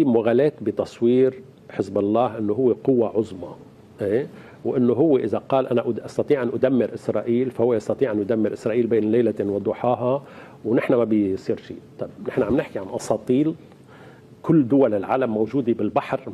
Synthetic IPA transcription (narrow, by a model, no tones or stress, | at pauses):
imʊɣaːleːt̪bɪt̪ɑsˤwiːɾ | ħɪsbɑlˤːɑːhʔɪnːoɦʊwːeqʊwːaʕʊzˤmɑ | ʔeː | wʔɪnːoɦʊwːeʔɪzaqɑːlʔanaʔʔɑst̪ɑt̪ˤiːʕʔanʔʊd̪amːɪɾʔɪsɾˤɑːʔiːlfahʊwːeʔɑst̪ɑt̪ˤiːʕʔanʔʊd̪amːɪɾʔɪsɾˤɑːʔiːlbeːnlejlawɪd̪ˤʊħɑːɦɑ | wnɪħnamabɪsˤiːɾʃḭːt̪ˤɑbnɪħnaʕamnɪħkiʕanʔɑsˤɑːt̪ˤiːl | kʊlːd̪ʊwalɪlʕaːlamːowʒuːd̪ebɪlbaħɾ